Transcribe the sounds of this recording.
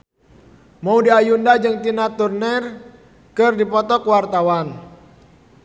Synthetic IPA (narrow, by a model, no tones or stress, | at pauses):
maudiajundad͡ʒɨŋt̪inat̪urnɛr | kɨrdipɔt̪ɔkwart̪awan